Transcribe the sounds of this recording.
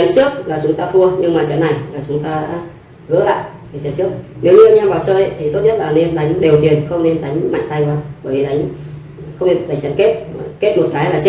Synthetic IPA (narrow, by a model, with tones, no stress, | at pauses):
a˨˦nt͡ɕɨ˦˥ək̚laː˨˩t͡ɕʊ˨˦ŋ͡mt̪aː˧fu˧əɲɨ˧ŋmaː˨˩t͡ɕə˨˦nːa˨˩jlaː˨˩t͡ɕʊ˨˦ŋ͡mt̪aː˧ɗa̰ː˧˥ | hɨ˨˧˥əla̰ː˧˨j | e˨˩t͡ɕə˨˩nt͡ɕɨ˦˥ək̚ne˨˦wɲɨ˧ʔə˧˩ɲaː˧vaː˨˩wt͡ɕəː˧j̰t̪ʰi˨˩t̪o˦˥t̚ɲə˦˥t̚laː˨˩ne˧nɗa˨˦jŋ̟ɗe˨˩t̪i˨˩ənxə˧wŋ͡mne˧nɗa˨˦jŋ̟ma̰˧˨ŋ̟t̪a˧jkwaː˧˩ɓəː˧˩jvi˨˩ɗa˨˦jŋ̟ | xə˧wŋ͡mɗa˨˩jt͡ɕə˧˩n̚ke˦˥t̚ke˦˥t̚mo˨˩t̚kaː˨˦jlaː˨˩t͡ɕe˦˥